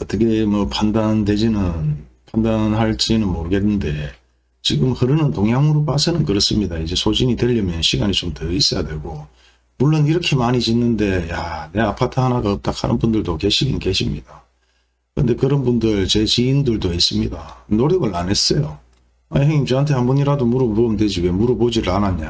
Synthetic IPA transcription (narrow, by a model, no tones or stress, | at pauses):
ʌt͈ʌkʰe̞mʌpʰandande̞d͡ʑinɯnpʰandanhaɭt͡ɕ͈inɯnmoɾɯɡe̞nːɯnde̞ | t͡ɕiɡɯmhɯɾɯnɯntoŋjaŋɯɾopasʰenɯnkɯɾʌs͈ɯmɲidaid͡ʑe̞sʰod͡ʑiɲidwe̞ʎːʌmjʌnɕʰiɡaɲit͡ɕomtɯis͈ʌjadwe̞ɡo | muɭːoniɾʌkʰe̞maɲid͡ʑinːɯnde̞jane̞apʰatʰɯhanaɡaɯp̚t͈akʰa̰nɯ̰nbundɯɭdoke̞ɕʰiɡinke̞ɕʰimɲid̥a | kɯɾɯ̰nde̞kɯɾʌnbundɯɭt͡ɕe̞t͡ɕiːndɯɭdois͈ɯmɲidanoɾiɡɯɭane̞s͈ʌjo | aheŋimt͡ɕɯantʰe̞hanbuɲiɾadomuɾɯbomdwe̞d͡ʑiwe̞muɾɯbod͡ʑiɾɯɭanaɲa